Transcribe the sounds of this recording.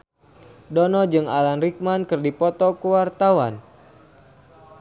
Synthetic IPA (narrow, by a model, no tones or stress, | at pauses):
dɔnɔd͡ʒɨŋa̰lanrik̚mankɨrdipɔt̪ɔkəwart̪awan